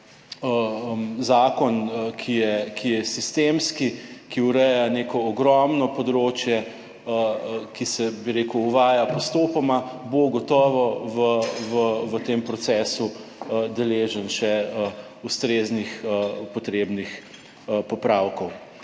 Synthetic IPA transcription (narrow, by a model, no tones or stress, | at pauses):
əzaːkɔnkʰijɛkʰijɛsist̪emskikiuɾɛjanekɔːɡɾɔmnɔpɔd̪ɾoːt͡ʃjɛ | əkisɛbiɾeːkuːʋaːjapɔst̪opɔmaboɡɔt̪ɔːʋɔʋəʋəʋət̪empɾɔt̪sɛːsud̪ɛleːʒənʃɛə | ust̪ɾeːznixəpɔt̪ɾeːbnix | pɔpɾawkɔw